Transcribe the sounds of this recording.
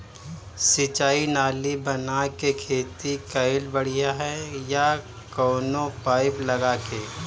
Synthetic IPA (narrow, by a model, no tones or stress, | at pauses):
sɪt͡ʃaːinaːlibɐnakekʰeːt̪ikɐɪlbɐɽ̤ijaɦɛja | kɔːnõpaːɪplɐɡaːkeː